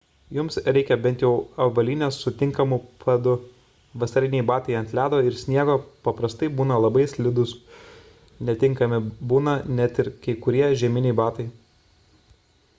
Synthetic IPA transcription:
jʊmsɾʲɛɪkʲɛbʲɛnt̪ʲjɛʊɐʋɐlʲiːnʲeːsːʊt̪ʲɪŋkɐmupʰɐd̪ʊ | ʋɐsɐɾʲɪnʲɛɪbɑːt̪ɐɪɐnʲt̪ʲlʲæːd̪oːɪɾsʲnʲiɛɡoːpɐpɾɐst̪ɐɪbuːnɐlˠɐbɐɪsʲlʲɪd̪ʊs | nʲɛt̪ʲɪŋkɐmʲɪbuːnɐnʲɛt̪ɪɾkɐɪkʊɾʲiɛʒʲɛmʲɪnʲɛɪbɑːt̪ɐɪ

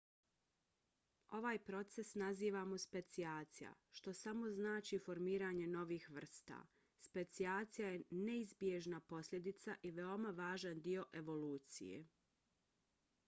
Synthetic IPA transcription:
o̞ʋaːjpɾo̞t̪se̞snaziːʋamospe̞t̪siaːt̪sija̰ʃt̪o̞samo̞znaːt͡ʃifo̞ɾmiːɾaːɲe̞no̞ʋiːxʋr̩st̪a̰ː | spe̞t̪siaːt̪sijaje̞ne̞izbje̞ʒnapo̞slʎʲe̞d̪it̪saʔiʋe̞o̞maʋaːʒand̪io̞ʔe̞ʋo̞luːt̪sḭjḛ

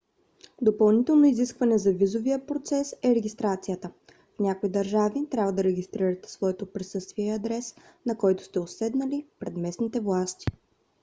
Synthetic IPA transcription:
d̪opɐlˠnit̪ɛlˠnoiziskvɐnɛzɐvizovijəpɾot̪sɛsɛɾɛɡʲist̪ɾat̪sijət̪ə | fnʲakoid̪ɐɾʒavit̪ɾʲabvəd̪ɐɾɛɡʲist̪ɾiɾɐt̪ɛ̥svɔɛt̪opɾisɤst̪viɛɐd̪ɾɛs | nɐkɔjt̪ʊ̥st̪ɛosɛd̪nɐlipɾɛd̪mɛsnit̪ɛvlˠast̪i̥

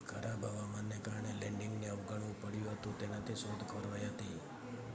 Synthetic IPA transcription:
ɡʱəɾʔabʱaʋamanːekaɾɳelɛ̃ɳɖɪŋɡneəʋɡəɽũpəɽjũɦət̪ũt̪enat̪ʰiʃod̪ʱkəɾʋajɦət̪i

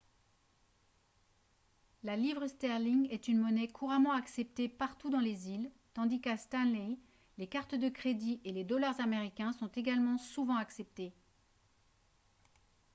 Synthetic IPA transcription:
lalivʁəst̪ɛʁliŋɛt̪ynmɔnɛkʰuʁamɑ̃aksɛp̚t̪epaʁt̪ud̪ɑ̃lezil | t̪ɑ̃d̪ikast̪anlɛ | lekaʁt̪d̪əkχed̪iʔeled̪ɔlaʁzameʁikʲɛ̃sɔ̃t̪eɡalmɑ̃suvɑ̃aksɛp̚t̪e

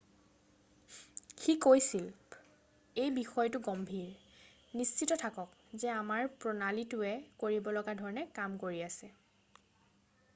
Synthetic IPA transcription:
xikojsil | ejbixɔjtʊɡɔmbʱiɹ | nist͡ʃitɔtʰakɔkzɛamaɹpɹɔnalitʊɛkoɹibɔlɔɡadʱɔɹɔnɛkamkoɹiasɛ

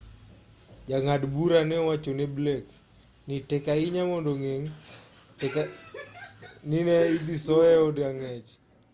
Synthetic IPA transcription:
d͡ʒaŋadbuɾanɛɔwat͡ʃoneblek | nitɛkaiɲamɔndɔŋeŋ | k | ninɛid̪isɔɛɔdaŋɛt͡ʃ

